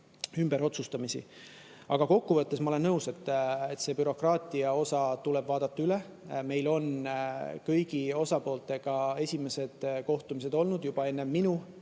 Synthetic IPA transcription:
ymb̥e̞ɾo̞t̪sust̪ɑmisḭ | ɑɡ̥ɑko̞kːuvɤt̪ːe̞smɑo̞le̞nːnɤuse̞t̪ːˑet̪ːse̞ːpyɾo̞krɑːt̪ˑiɑo̞sɑt̪uleb̥vɑːd̪̥ɑt̪ːɑyle | me̞jlo̞n | kɤjɡ̥io̞sɑpo̞ːlt̪ˑe̞ɡ̥ɑe̞sʲime̞se̞d̪̥ko̞ht̪umis̬e̞d̪o̞lnud̪̥jub̥ɑe̞nːe̞mːinu

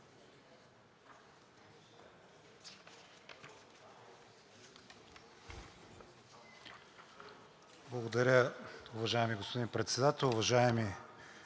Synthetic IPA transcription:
blˠɐɡod̪ɐɾʲəʊvɐʒaɛmiɡospod̪inpɾɛt̪sɛd̪at̪ɛlˠʊvɐʒaɛmi

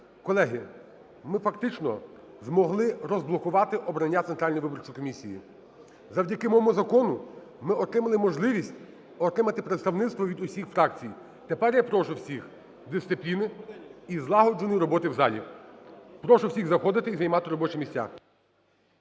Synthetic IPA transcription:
kɔlˠɛɦɪ | mɪfɐk̚t̪ɪt͡ʃnɔ | zmɔɦlˠɪɾɔzblˠɔkʊʋɑt̪ɪʔɔbɾɐnʲːat̪sent̪ɾɑlʲnɔjʋɪbɔrt͡ʃɔkɔmʲisʲijḭ | zɐwdʲɐkɪmɔmɔzɐkɔnʊ | mɪɔt̪ɾɪmɐlˠɪmɔʒlˠɪʋʲisʲtʲ | ɔt̪ɾɪmɐt̪ɪpɾet̪st̪ɐwnɪt̪st̪ʋɔʋʲid̪ʊsʲixfɾɑk̚t͡sʲij | t̪epɛrjapɾɔʃʊwsʲix | d̪ɪst̪sɪplʲinɪizlˠɑɦɔd͡ʒʊnʲjɾɔbɔt̪ɪwzɑlʲḭ | pɾɔʃʊwsʲiɣzɐxɔd̪ɪt̪ɪizɐjmɑt̪ɪɾɔbɔt͡ʃɪmʲisʲtʲa̰

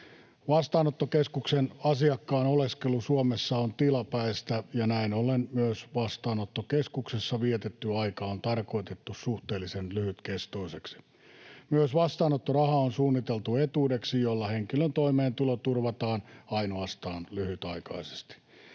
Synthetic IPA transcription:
ʋɑst̪ɑːnot̪ːokeskuksenɑsiɑkːɑːnoleskelusuomesːɑont̪ilɑpæist̪æjɑnæinolenmyøsʋɑst̪ɑːnot̪ːokeskuksesːɑʋiet̪et̪ːyɑikɑːont̪ɑrkoit̪et̪ːussuht̪eːlːisenlyhyt̪kest̪oiseksi̥ | myøsʋɑst̪ɑːnot̪ːorɑhɑonsuːnːit̪elt̪uet̪uːdeksijolːɑheŋkilønt̪oimeːnt̪ulot̪urʋɑt̪ɑːnɑinoɑst̪ɑːnlyhyt̪ɑikɑise̥st̪i̥

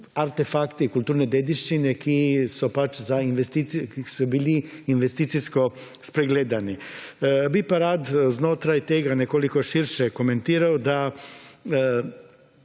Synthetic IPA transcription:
aɾt̪efakt̪ikulˠt̪uːɾne̞d̪ed̪iʃt͡ʃinekisupat͡ʃzainʋest̪it̪sisubiːliːnʋest̪iːt̪sisko̞ | spɾeɡleːd̪ani | bipaɾaːd̪znot̪ɾajt̪eɡaneko̞likoʃiɾʃeko̞me̞nt̪iːɾaod̪a

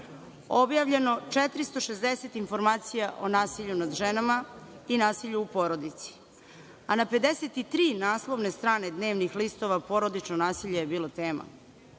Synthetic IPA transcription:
objaːʋʎe̞no̞t͡ʃet̪ɾist̪o̞ʃezd̪eset̪info̞ɾmaːt̪sijaʔo̞naːsiʎunad̪ʒenama | inaːsiʎuːpo̞ɾo̞d̪it̪si̥ | anape̞d̪eset̪it̪ɾiːnaːslˠoʋne̞st̪ɾaːne̞d̪ne̞ːʋnixlist̪o̞ʋapo̞ɾo̞d̪it͡ʃnonaːsiʎejebiːlˠot̪e̞ːma̰

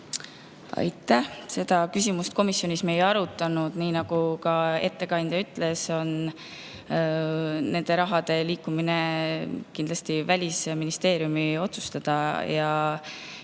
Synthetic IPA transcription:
ɑ̰jt̪ːˑæhse̞d̪̥ɑkysʲimust̪̚ko̞misjo̞nisme̞jɑɾut̪ːˑɑnud̪̥niːnɑɡ̥ukɑe̞t̪ːe̞kɑnd̪̥ʲjɑyt̪ːˑle̞so̞n | ne̞nd̪̥e̞ɾɑɦɑd̪̥e̞liːkːˑumine̞kind̪lɑst̪ivælʲisminist̪e̞ːɾjumio̞t̪su̥st̪ɑd̪̥ɑjɑ

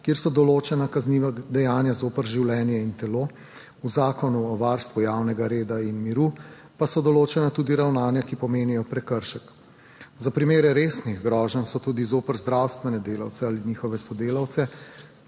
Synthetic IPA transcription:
kjeːɾsɔd̪ɔloːt͡ʃɛnakazniʋad̪ɛjaːnjazoːpəɾʒiwlɛnjɛint̪ɛloː | uzaːkɔnuɔʋaɾst̪ʋujaːwnɛɡaɾeːd̪ainmiɾu | pasɔd̪ɔloːt͡ʃɛnat̪uːd̪iɾawnaːnjakipɔmeːnijɔpɾɛkəɾʃək | zapɾimeːɾɛɾeːsniɣɡɾɔːʒənsɔt̪uːd̪izoːpəɾzd̪ɾaːwst̪ʋɛnɛd̪eːla̰wt̪sɛaliniːxɔʋɛsɔd̪eːlawt̪sɛ

